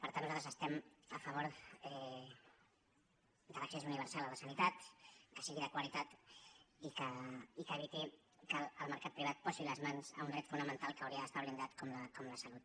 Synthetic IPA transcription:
pəɾt̪anːuzat̪ɾəzəst̪ɛməfəβ̞oɾɛ | d̪ələksesuniβəɾsalˠələsənit̪at̪kəsiɣiðəkwəlit̪at̪ | ikəikəːβit̪i | kəːlˠməɾkat̪̚pɾiβ̞at̪̚pɔsiləzmanzə̰und̪ɾɛt̪funəmənt̪alˠkəwɾiəðəst̪aβlind̪at̪kɔmləkɔmləsəlut̪̚

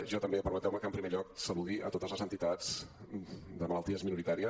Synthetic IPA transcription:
ʒɔt̪əmbepəɾmət̪ɛwməkəmpɾimeʎɔk̚səluðiʔə̰t̪ot̪əzləzənt̪it̪ad͡z | d̪əmələlˠt̪iəzminuɾit̪aɾiə

